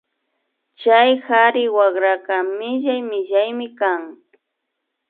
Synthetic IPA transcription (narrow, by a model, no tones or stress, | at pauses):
t͡ʃajxaɾɪwaɢɾakamɪʒajmɪʒajmɪkaŋ